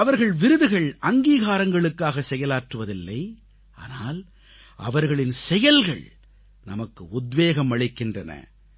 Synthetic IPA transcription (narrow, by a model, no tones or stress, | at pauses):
ɐʋɐɾɣɐɭʋɪɾɯðɯɣɐɭʔɐŋɡiːɣaːɾɐŋɡɐɭɯkːaːɣɐsɛjɐlaːʈrɯʋɐðɪlːɐɪ | ʔa̰ːnaːl | ʔɐ̰ʋɐɾɣɐɭɪnsɛjɐlɣɐ̰ɭ | nɐ̰mɐkːɯʊd̪ʋeːɣɐmɐɭɪkːɪndrɐnɐ̰